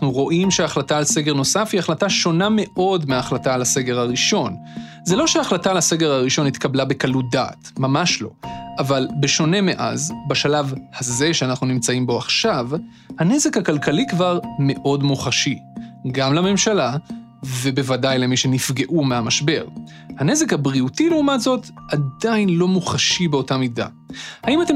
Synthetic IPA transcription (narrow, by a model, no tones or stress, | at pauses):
uʁo̞ʔimʃeaχlataːlse̞ɡe̞ʁno̞safiaχlataʃo̞name̞ʔo̞dmeaːχlataːlase̞ɡe̞ʁaʁiʃo̞n | ze̞lo̞ʃeaχlatalase̞ɡe̞ʁaʁiʃo̞nit̪kablabe̞kaludaːtmamaʃlo̞̰ʔavalbeʃo̞ne̞me̞ʔa̰zbaʃalavhaze̞ʃeanaχnunimt͡saimbo̞aχʃav | hane̞ze̞khakalkʰalikvaʁme̞ʔo̞dmuχaʃiɡamlame̞mʃala | ve̞be̞vadajlemiʃe̞nifɡe̞ʔumeamaʃbe̞ʁ | hane̞ze̞khabʁiutileumatzo̞tadainlo̞muχaʃibeo̞tamida̰ | haimate